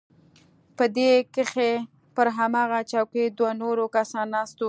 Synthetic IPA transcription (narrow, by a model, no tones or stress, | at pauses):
pəd̪ekəxe | pəɾɦamɑɣat͡ʃawked̪wanoɾokasɑnːɑst̪o